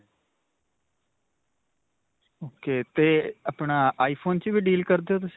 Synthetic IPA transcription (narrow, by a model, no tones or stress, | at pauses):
oːkeːt̪eːəpɳaːaːiːpʰoːnt͡ʃʋiːɖiːlkəɾd̪eoːt̪ʊsi